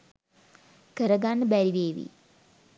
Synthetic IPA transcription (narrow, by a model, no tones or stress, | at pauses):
kəɾɐɡanːəbæɾiʋeːʋḭ